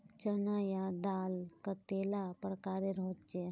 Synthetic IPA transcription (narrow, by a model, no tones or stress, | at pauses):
t͡ʃənajad̪aːlkat̪eːlapəɾkaːɾeɾoːt͡ʃe